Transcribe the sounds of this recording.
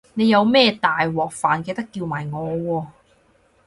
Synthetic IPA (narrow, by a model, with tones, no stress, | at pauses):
ne˨˧jɐ˨˧wmɛː˥˩t̪aː˨jwɔː˨˩k̚faː˨nke˧jt̪ɐ˥kːiː˧wmaː˨˩jŋɔː˨˧wɔː˧